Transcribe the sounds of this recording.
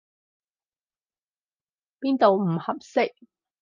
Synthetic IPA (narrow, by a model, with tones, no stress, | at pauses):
piː˥nt̪o˨wm̩˨˩hɐ˨p̚sɪ˥k̚